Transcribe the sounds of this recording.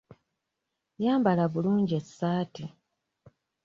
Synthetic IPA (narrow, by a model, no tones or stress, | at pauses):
jaːmbalaβuluːɲɟiesːaːti